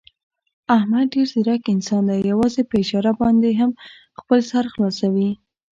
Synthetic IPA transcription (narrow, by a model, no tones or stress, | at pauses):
ahmad̪̚ɖeɾziɾakɪnsɑnd̪ajawɑzepəɪʃɑɾabɑnd̪eɦam | xpəlsaɾxlɑsawi